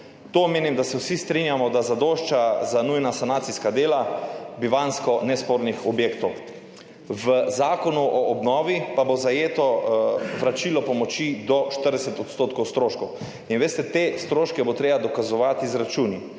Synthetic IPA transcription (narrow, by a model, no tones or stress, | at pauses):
t̪omeːnimd̪asɛwsist̪ɾinjamɔd̪azad̪oːʃt͡ʃazanujnasanaːt̪siskad̪eːlabiʋanskɔnɛspoɾnixɔbjeːkt̪ɔw | ʋəzaːkɔnuʔɔːbnɔːʋipabozajeːt̪ɔʋɾat͡ʃilɔpɔmɔt͡ʃid̪ɔʃt̪əɾd̪ɛsɛt̪ɔt̪st̪oːt̪kɔwst̪ɾoʃkɔw | inʋeːst̪ɛt̪est̪ɾoːʃkɛbot̪ɾeːbad̪ɔkazɔʋat̪izɾat͡ʃuni